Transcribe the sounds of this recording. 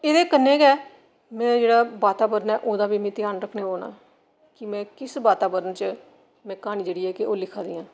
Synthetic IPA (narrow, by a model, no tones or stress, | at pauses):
eːd̪eːkənːẽːkɛː | mɛ̃ːd͡ʒeːɽaːbaːt̪aːbəɾənɛːʔoːd̪aːbiːmĩːt̪ɪjaːnɾəkʰneːoːna̰ː | kɪmɛ̃ːkɪsbaːt̪aːbəɾənt͡ʃə | mɛ̃ːkaːniːd͡ʒəːɽiːɛːkɪʔoːlɪkʰːaːd̪iːãː